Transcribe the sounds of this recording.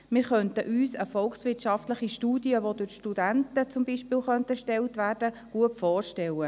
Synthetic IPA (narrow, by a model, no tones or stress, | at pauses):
mɪːɾχœntəʔyːsəfɔlksʋɪtʃɑft̪ləχiʃtuːdiəʋodʊʃtudæntət͡sʊmbiʃpiːlχœntəʃtɛltʋæːɾd̥əɡ̥uətfɔːrʃtɛlə